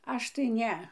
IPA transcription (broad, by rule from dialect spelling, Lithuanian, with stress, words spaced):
ˈɐʃ tɐɪ ˈnʲɛ